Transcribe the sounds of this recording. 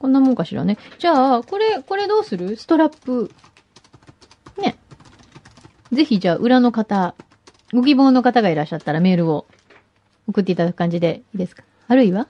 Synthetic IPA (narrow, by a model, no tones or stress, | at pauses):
kõnːamõ̞ŋkaɕiɾa̰ne̞d͡ʑaːko̞ɾe̞ko̞ɾe̞d̪o̞ːsɨɾɯ̟sɨ̥t̪o̞ɾapːɯ | ne̞ | ze̞çid͡ʑaːʔɯ̟ɾano̞kat̪a | ɡo̞ɡʲibõːnːo̞kat̪aɡaiɾaɕːat̪ːaɾame̞ːɾɯ̟o̞ | okɯ̟t̪ːe̞it̪ad̪akɯ̟kãɲ̟d͡ʑid̪e̞iːd̪e̞sɨ̥kḁːɾɯ̟iβa